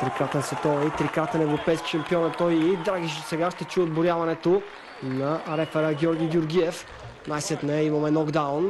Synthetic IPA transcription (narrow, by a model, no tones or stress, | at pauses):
t̪ɾikɾat̪ɛnsɛt̪ɔvit̪ɾikɾat̪ɛnɛvɾopɛjskʲi̥ʃɐmpiɔnɛt̪ːɔjid̪ɾaɡʲiʃsɛɡaʃt̪ɛt͡ʃuɛod̪bʊɾjavɐnɛt̪o | nɐɾɛfɛɾəɡʲɔɾɡʲiɡʲjʊɾɡʲiɛf | najsɛt̪nɛimɐmɛnɔɡd̪aʊn